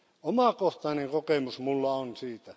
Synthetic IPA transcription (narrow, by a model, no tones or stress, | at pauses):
omɑˑkoht̪ɑˑineŋkokemusmulːɑonsiːt̪æ